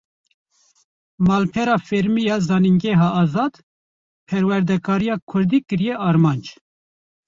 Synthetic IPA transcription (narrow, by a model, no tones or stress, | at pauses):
mɑːlpʰɛɾɑːfɛɾmijɑːzɑːniŋɡɛɦɑːɑːzɑːd̪ | pʰɛɾwɛɾd̪ɛkʰɑːɾijɑːkʰʊɾd̪iːkɨɾijɛʔɑːɾmɑːnd͡ʒ